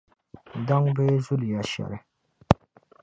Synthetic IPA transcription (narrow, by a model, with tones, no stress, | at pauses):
d̪a˦ŋbe˦zu˦lja˨ɕa̰˨ɾ